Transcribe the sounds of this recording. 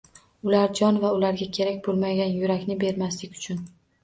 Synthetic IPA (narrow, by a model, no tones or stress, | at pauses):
ʊlaɾd͡ʒɒnvaʊlaɾɡʲakʲʰe̞ɾakʲbolˠmaɡʲanjʊɾakʲnɪbe̞ɾmaslɪkʲʊ̥t͡ʃʰʊn